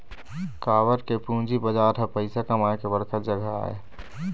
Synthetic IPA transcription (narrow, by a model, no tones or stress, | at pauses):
kaːʋəɾkepũːd͡ʒibəd͡ʒaːɾəpəɪsakəmaekebəɾkʰət̪̚d͡ʒəɡʱaa̰ːḛ